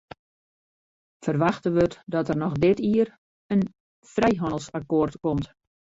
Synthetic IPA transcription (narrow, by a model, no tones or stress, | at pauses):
fərʋaxtəʋətdɔtərnɔxdɪtiər | ən | frɛjɦɔnəlˠsakoːrtkɔmt